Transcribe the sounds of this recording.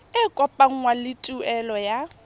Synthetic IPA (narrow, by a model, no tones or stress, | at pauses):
ɪkʼɔpʼaŋ̩ŋwalɪtʼuɛlɔja